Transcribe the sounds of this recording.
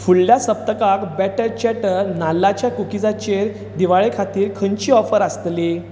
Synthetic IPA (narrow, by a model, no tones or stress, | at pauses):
fuɭljasəp̚t̪əkakbɛʈəɾt͡ɕɛʈənalːat͡ɕjakukid͡zat͡ɕeɾ | d̪iʋaɭekʰat̪iːɾkʰəɲt͡ɕiːɔfəɾast̪li